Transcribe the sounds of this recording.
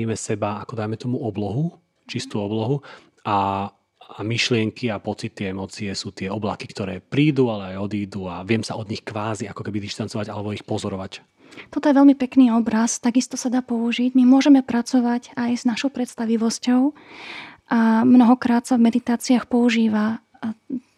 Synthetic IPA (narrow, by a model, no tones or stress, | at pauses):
imɛsɛbaːkɔd̪ajmɛt̪ɔmuɔblɔɦu | t͡ʃist̪uːɔblɔɦu | aː | miʃlɪɛŋkʰiapɔt͡sit̪ːiɛmɔːt͡siɛsuːt̪ɪɛɔblakikt̪ɔɾɛːpɾiːd̪ualɛajɔd̪iːd̪uaʋɪɛmsaɔd̪ɲixkʋaːziakɔkɛbid̪iʃt̪ant͡sɔʋaɟalɛbɔixpɔzɔɾɔʋac | t̪ɔt̪ɔjɛʋɛlmipɛkniːɔbɾast̪aɡist̪ɔsad̪aːpɔuʒiɟmimʊɔʒɛmɛpɾat͡sɔʋaɟajznaʃɔʊpɾɛt̪st̪aʋiʋɔscɔʊ | ʔamnɔɦɔkɾaːt̪savmɛd̪it̪aːt͡siaxpɔuʒiːʋa